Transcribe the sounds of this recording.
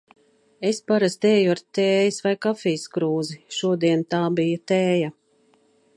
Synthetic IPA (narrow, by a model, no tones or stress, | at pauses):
e̞spaɾast̪eːjuaɾt̪eːjisvajkafiːskɾuːziʃuɔd̪iɛnt̪aːbijat̪eːja